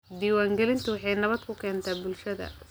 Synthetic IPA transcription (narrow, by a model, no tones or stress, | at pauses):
d̪iːwaːŋɡɛlɪnt̪ʰʊwɑħɑjnɐβɐd̪̚kʰʊkʰɛːnt̪ʰaːbʊlʃɐðɐ̰